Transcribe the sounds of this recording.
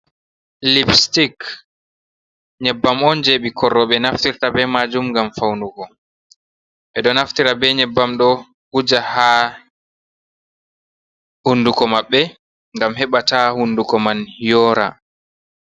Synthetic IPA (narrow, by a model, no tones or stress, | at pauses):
lipstik | ɲɛbːamɔnd͡ʒeɓikʰɔrːɔɓɛnaftiɾtabɛmad͡ʒumŋɡamfawnuɡɔ | ɓɛɗɔnaftiɾabɛɲɛbːamɗɔ | hud͡ʒaha | hundukɔmaɓːɛ | ŋɡamhɛɓatahundukɔmanhijɔːɾa̰